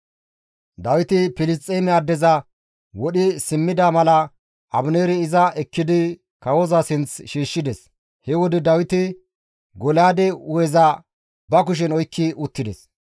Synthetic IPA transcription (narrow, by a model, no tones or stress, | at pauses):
d̪ɐwɪt̪ɪpɪlɪst̪ʼːemɛɐd̪ːɛzɐ | wɔɗɪsɪmːɪd̪aːmɐlɐ | ɐbneːɾɪɪzɐɛkːɪd̪ɪ | kɐwɔzaːsɪnt͡sʃiːʃːɪd̪ɛs | hɛwɔd̪ɪd̪ɐwɪt̪ɪ | ɡɔlaːd̪ɛwɛjzɐ | bɐk̬ʊʃ̬ɛnɔjkːɪʔʊt̪ːɪd̪ɛs